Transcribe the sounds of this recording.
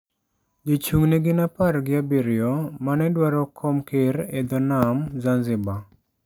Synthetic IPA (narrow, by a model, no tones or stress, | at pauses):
d͡ʒot͡ʃuŋneɡɪnapaɾɡɪabiɾɪɔmanɛdwaɾɔkʰɔmkeɾɛd̪ɔnamzanzɪba